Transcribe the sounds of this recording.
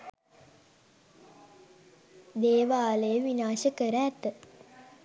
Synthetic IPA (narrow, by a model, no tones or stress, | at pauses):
d̪eːʋaːləjəʋinaːʃəkəɾəːt̪ə